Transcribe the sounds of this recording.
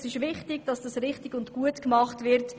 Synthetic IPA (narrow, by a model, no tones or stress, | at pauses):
sɪʃvɪχtɪɡ̥d̥ɑsd̥ɑsɾɪχtɪɡʊntɡ̥uətkmɑχtvɪɾt